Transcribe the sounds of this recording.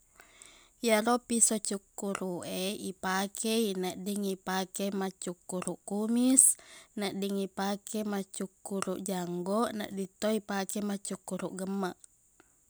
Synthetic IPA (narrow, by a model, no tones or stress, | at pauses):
jaɾopisot͡ʃukːuɾuʔeipakɛinaʔdiŋipakemat͡ʃukːuɾuʔkumisnaʔdiŋipakemat͡ʃukːuɾuʔd͡ʒaŋɡɔʔna̰ʔdit̪oipakɛmat͡ʃukːuɾuʔɡəmːaʔ